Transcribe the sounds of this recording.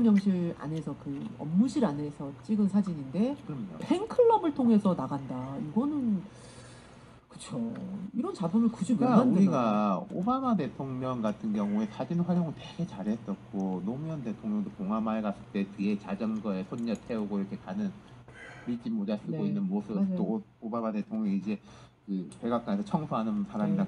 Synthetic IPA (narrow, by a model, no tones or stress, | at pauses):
mjʌŋɕʰiɾa̰ne̞sʰʌkɯʌ̰mːuɕʰiɾane̞sʰʌt͡ɕ͈iɡɯnsʰad͡ʑiɲinde̞kɯɾʌmɲo̰pʰenkʰɯɭːʌbɯɭtʰoŋɦe̞sʰʌnaɡandaiɡʌnɯn | kɯ̥t͡ɕʰoiɾʌnt͡ɕabumɯɭkud͡ʑiaanduɾiɡaobamate̞tʰoŋɲʌŋɡatʰɯnɡjʌŋue̞kad͡ʑinɸaɾjoŋɯɭtweɡe̞t͡ɕaɾɦe̞s͈ʌk̚k͈onomujʌnde̞tʰoŋɲʌŋdokoŋamaɭɡas͈ɯɭt͈e̞tɯe̞t͡ɕad͡ʑʌŋɡʌesʰonːʌtʰe̞uɡoiɾʌkʰe̞kanɯn | mid͡ʑimod͡ʑas͈ʰɯɡɡoinnːɯnmosʰɯt͈oobamade̞tʰoŋɲʌŋiid͡ʑe̞kɯpeɡak͈anesʰʌt͡ɕʰʌŋsʰoɦanɯnpaɾamina